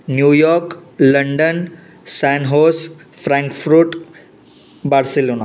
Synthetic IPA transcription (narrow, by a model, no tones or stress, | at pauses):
njujɔɾkləɳɖən | sanɦosfɾãŋkfɾuːʈ | baɽselona